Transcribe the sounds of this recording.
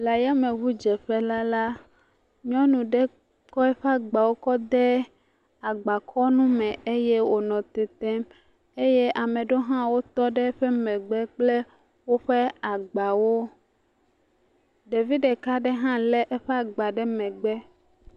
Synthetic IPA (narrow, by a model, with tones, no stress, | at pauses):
la˨ja˦mẽ˨ɣu˦d͡ʒɛ˨ɸɛ˦la˦la˦ | ɲɔ̃˦nũ˨ɖɛ˦ | kɔ˦ɛ˦ɸɛ˦a˨ɡ͡ba˨wo˦kɔ˦d̪ɛ˦ | a˨ɡ͡ba˨kʰɔ˦nũ˦mɛ̃˨e˦je˦wo˨nɔ̃˨t̪ɛ˨t̪ɛ˦m | e˦je˦ʔa˨mẽ˨ɖo˦ɦã˦wo˦t̪ɔ˦ɖɛ˦ɸɛ˦mɛ̃˨ɡ͡bɛ˦k͡ple˦ | wo˦ɸe˦a˨ɡ͡ba˨wo˦ | ɖe˨vi˦ɖe˨ka˦ɖɛ˦ɦã˦lɛ˦ʔɛ˦ɸe˦a˦ɡ͡ba˨ɖɛ˦mɛ̃˨ɡ͡bɛ˦